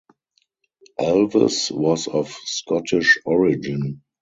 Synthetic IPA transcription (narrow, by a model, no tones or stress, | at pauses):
ʔælvə̰swɔsɔfskɔtʰɪʃɔɹɪd͡ʒɪ̃n